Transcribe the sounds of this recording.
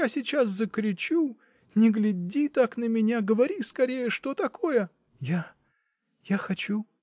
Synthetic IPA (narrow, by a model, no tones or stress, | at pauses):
jasʲɪt͡ɕaszəkɾʲɪt͡ɕu | nʲɪɡlʲɪdʲit̪aknəmʲɪnʲaɡəvɐɾʲiskɐɾʲejəʂt̪o̞t̪ɐko̞jə | ja | jaxɐt͡ɕu